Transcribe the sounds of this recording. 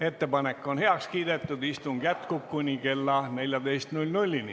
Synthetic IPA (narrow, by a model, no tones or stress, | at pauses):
e̞t̪ːe̞pɑne̞kːo̞nhe̞ɑkskiːd̪̥e̞t̪ˑːud̪ist̪uŋɡ̥jæt̪kub̚kunʲike̞lːɑne̞lʲjɑd̪̥e̞jst̪nulʲnulʲːinḭ